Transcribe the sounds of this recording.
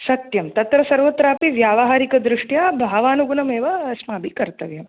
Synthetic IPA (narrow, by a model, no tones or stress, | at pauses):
sɐt̪jɐmt̪ɐt̪ɾɐsɐɾʋɐt̪ɾaːpiʋjaːʋɐɦaːɾikɐd̪ɾɪʂʈjaːbʱaːʋaːnuɡunɐmeːʋɐsmaːbʱikɐɾt̪ɐʋjɐm